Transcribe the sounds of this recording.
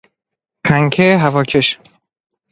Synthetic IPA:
pʰæŋkʰeɦævɒːcʰe̞ʃ

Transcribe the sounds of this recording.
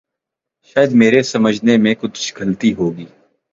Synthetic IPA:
ʃaːjəd̪meːɾesɐməd͡ʒʱnemẽkʊt͡ʃʰɡʱəlt̪iɦoːɡiː

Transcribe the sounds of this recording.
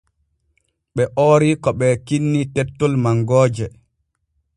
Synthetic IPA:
ɓɛʔoːɾikɔɓɛkinːitɛtːɔlmaŋɡɔːd͡ʒɛ

